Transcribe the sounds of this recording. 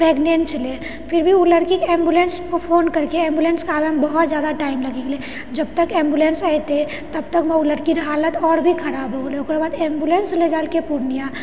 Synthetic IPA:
pɾeːɡneːnt͡ʃle | pʰɪɾbʱiuləɾkikeːmbjulẽnskopʰoːnkɐɾkeɛ̃ːmbuleːnskaːbembɐɦʊt̪d͡ʒjaːd̪aʈaːɪmlɐɡekle | d͡ʒɐb̚t̪əkeːmbjuleːnsajt̪e | t̪ɐbt̪əkmɛ̃ʊləɾkiɾɦaːlət̪ɔːɾbʱikʰɐɾaːboleʊkɾebaːd̪eːmbjuleːnsled͡ʒaːlkepuɾnija

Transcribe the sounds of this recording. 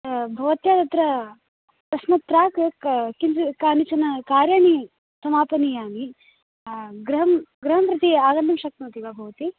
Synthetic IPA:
bʱɐʋɐt̪jaːt̪ɐt̪ɾɐ | t̪ɐsmɐt̪ɾaːkkind͡ʒkaːnit͡ʃɐnɐkaːɾjaːni | sɐmaːpɐnijaːmi | ɡɾɐɦɐmɡɾɐɦɐmpɾɐt̪iaːɡɐnd̪ɐmʃɐk̚t̪ɐmɐt̪iɡaːbʱɐʋɐt̪i

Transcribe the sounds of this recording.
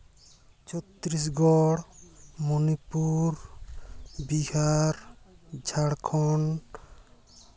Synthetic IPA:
t͡ʃʰɔt̪ɾis̬ɡɔɽmɔnipuɾ | bihaɾd͡ʒʱaɽkʰɔn

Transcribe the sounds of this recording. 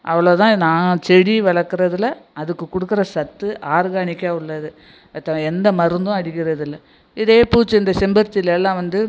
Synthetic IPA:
ʔɐ̰ʋɐɭoːt̪ãːnaːt͡ʃɛɽiʋɛɭɐkːɯɾɐðɪlɐɐðɯkːɯkʊɽɯkːɯɾɐsɐt̪ːɯʔaːɾɣaːɳɪkʲːaːʊɭːɐðɯ | t̪ːɐɛnd̪ɐmɐɾɯnd̪ʊ̃ɐɽɪkːɪɾɐðɯlːɐ | ɪðeːpuːt͡ʃːɯɪnd̪ɐsɛmbɐɾt̪ːɪlɛlːãːʋɐnd̪ɯ

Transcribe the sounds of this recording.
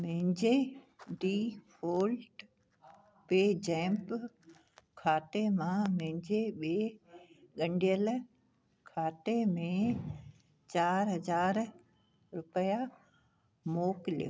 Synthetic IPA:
mɪ̃ɦɪ̃ɲd͡ʑe | ɖiːfʰoːlʈ | peːd͡ʑɛ̃ːmp | kʰaːt̪emãmɪ̃ɦɪ̃ɲd͡ʑeɓe | ɠɐ̃ɳɖijəl | kʰaːt̪emẽ | t͡ɕaːɾɦɐzaːɾ | ɾʊpəja | moːkɪljo̰

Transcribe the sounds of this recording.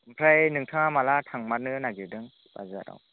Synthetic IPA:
ɯmpʰɾajnɯŋtʰɯŋamalatʰaŋmat̚nɯnaɡiɾdɯŋ | b̥a̰za̰ɾa̰w

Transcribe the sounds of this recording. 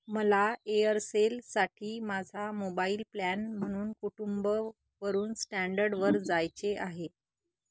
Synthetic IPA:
məlaeəɾselsaʈʰiːmad͡zʱamobaiːlplænm̤əɽ̃uːnkuʈumbə | ʋəɾuːnsʈæɳɖəɾɖʋəɾd͡zajt͡seʔaɦe

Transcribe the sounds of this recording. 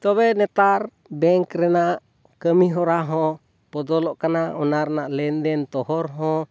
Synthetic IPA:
t̪ɔβɛnɛt̪aɾ | bɛŋkɾɛnaʔ | kəmiɦɔɾaɦɔ̃ | pɔd̪ɔlɔʔkanaɔnaɾnaʔlɛnd̪ɛnt̪ɔɦɔɾɦɔ

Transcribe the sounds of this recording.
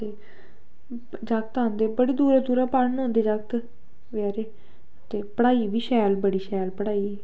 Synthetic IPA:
t̪eː | d͡ʒakt̪ãːnd̪eːbəɽiːd̪uːɾaːd̪uːɾaːpaɾnõːnd̪eːd͡ʒak̚t̪ | ʋaːɾeː | t̪eːpəɽaːiːʋiːʃɛːlbəɽiːʃɛːlpəɽaːiː

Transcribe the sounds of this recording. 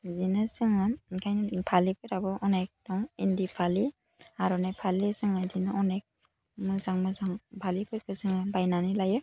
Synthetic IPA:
zinɯsɯŋɯkʰajnɯpʰalikʰɯɾabɯʔɔnek̚dɔŋindipʰali | aɾɔnapʰalisɯŋɯdinɯɔnek̚ | mɯzaŋmɯzaŋbʱalikʰɯjkʰɯsɯŋɯbajnanilajɯ

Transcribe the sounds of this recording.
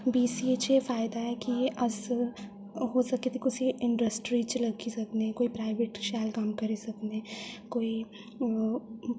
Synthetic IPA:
biːsiet͡ʃjefaːɪd̪aɦɛkiɐs | ɦosɐket̪ikʊsʰiɪ̃ɳɖəsʈɾit͡ʃlɐɡisɐknekoːipɾaːɪʋeʈʃaːlkɐmkɐɾisɐknekoːi

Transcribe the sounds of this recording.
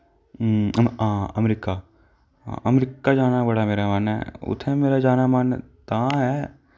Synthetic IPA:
ãːɐmɾika̰ | ʔɐmɾikːad͡ʒaːnabɐɽameːɾamaːnɦɛ̰ʊ̰t̪ʰɛ̃meːɾad͡ʒaːnamaːn̰t̪ãɦɛː

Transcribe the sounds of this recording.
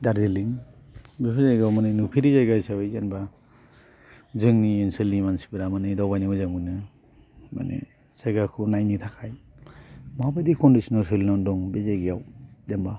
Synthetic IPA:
daɾziliŋ | bepʰɯzajɡawmanɯnupʰiɾizajɡajsawɯjzanba | zɯŋniensɯlnimansi̥biɾamanɯdawbajnimazaŋɯnɯ | ma̰nḛ | saɡakʰunajnitʰakʰaj | mabadikʰɔndisɔnalsilnɔndɔŋbezajɡijawdamba

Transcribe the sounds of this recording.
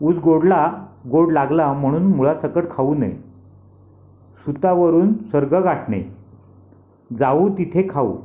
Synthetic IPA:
uːd͡zɡoɽlaɡoɽlaɡlam̤əɽ̃uːnmulasəkəʈkʰaunə̰j | sut̪aʋəɾuːnsəɾɡəɡaʈɳḛ | d͡zaut̪it̪ʰekʰaṵ

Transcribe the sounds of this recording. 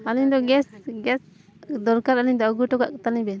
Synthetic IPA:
aliɲd̪ɔɡɛsɡɛs | d̪ɔɾkaɾaliɲd̪ɔɔɡuʈɔka̰ʔkt̪aliɲbɛ

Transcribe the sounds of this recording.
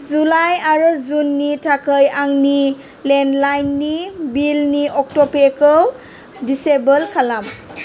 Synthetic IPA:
zulajaɹɔzunːitʰakʰəjaŋni | lenlajnːibilniɔk̚tɔpekəw | disebəlkʰalam

